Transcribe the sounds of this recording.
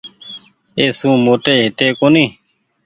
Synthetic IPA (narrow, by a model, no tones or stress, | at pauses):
eːsũːmoːʈ̪eːɦɪt̪eːkoːniː